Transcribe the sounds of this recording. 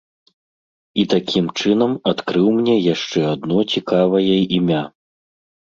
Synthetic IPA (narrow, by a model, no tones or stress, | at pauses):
it̪akʲʰimt͡ʂɨnɐmat̪kɾɨwmnʲɛjaʂt͡ʂɛad̪nɔt͡sʲikavɐjɐʔimʲa